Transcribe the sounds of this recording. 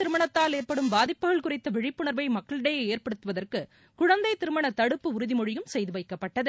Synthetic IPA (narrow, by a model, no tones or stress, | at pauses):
ɪɾɯmɐɳɐt̪ːaːleːrpɐɽɯmbaːðɪpːɯɣɐɭkʊrɐɪt̪ːɐʋɪɻɪpːɯɳɐɾʋɐɪmɐkːɐɭɪɽejɐeːrpɐɽɯt̪ːɯʋɐðɐrkɯ | kʊɻɐnd̪ɐɪt̪ɪɾɯmɐɳɐt̪ɐɽɯpːɯʊɾʊðɪmɔɻɪjɯmsɛjðɯʋɐɪkːɐpːɐʈːɐðɯ